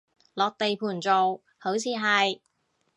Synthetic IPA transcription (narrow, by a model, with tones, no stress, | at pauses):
lɔː˨˧k̚t̪e˨jpʰuː˨˩nt͡so˨w | ho˨˥wt͡sʰiː˨˧ɦɐ˨j